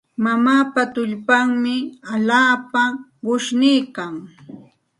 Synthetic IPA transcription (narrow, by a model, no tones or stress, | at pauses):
mamaːpat̪ʊʎpaŋmɪaʎaːpaɢʊʃnɪjkaŋ